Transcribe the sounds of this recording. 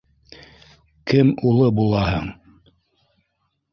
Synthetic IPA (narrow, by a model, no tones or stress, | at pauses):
kɘmulˠɤbulˠɑhɤɴ